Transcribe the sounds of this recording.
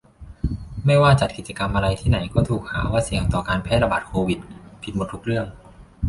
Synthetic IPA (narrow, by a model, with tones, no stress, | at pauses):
ma˥˩jwaː˥˩t͡ɕa˨˩t̪̚ki˨˩t̪̚t͡ɕa˧ka˧mʔa˧ɾa˧jt̪ʰiː˥˩na˩˦jkɔː˥˩t̪ʰuː˨˩k̚haː˩˦waː˥˩si˩˦əwt̪ɔː˨˩kaː˧npʰɛː˥˩ɾa˧baː˨˩t̪̚kʰoː˧wi˨˩t̪̚pʰi˨˩o˨˩t̪ːʰu˦˥k̚ɾɯ˥˩əŋ